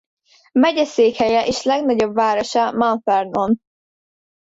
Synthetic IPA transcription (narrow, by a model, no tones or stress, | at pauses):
mɛɟɛseːkhɛjɛʔeːʃlɛɡnɒɟo̞bvaːɾoʃamanfɛrnon